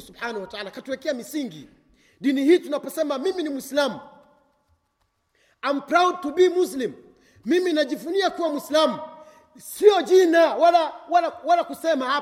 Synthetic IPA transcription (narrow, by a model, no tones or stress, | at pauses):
subħanahwataalakatuwɛkɛamisiŋɡḭ | ɗinihiːtunapɔsɛmamiminimuislamu | ampɾawd̚tuɓiːmuslimː | iminaʄifuniakuwamwislamu | siɔʄinawalawalawalakusɛmaha